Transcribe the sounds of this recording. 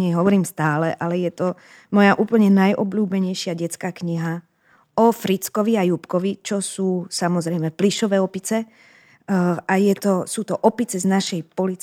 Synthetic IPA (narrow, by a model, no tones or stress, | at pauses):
ɲɛɦɔʋɔɾiːmst̪aːlɛʔalɛjɛt̪ɔ | mɔjaʔuːpl̩ɲɛnajʔɔbʎuːbɛɲɛjʃɪaɟɛt͡skaːkɲiɦa | ɔfɾit͡skɔʋiajupkɔʋit͡ʃɔsuːsamɔzɾɛjmɛpliʃɔʋɛːɔpit͡sɛ | ajɛt̪ɔsuːt̪ɔʔɔpit͡sɛznaʃɛjpɔlit͡s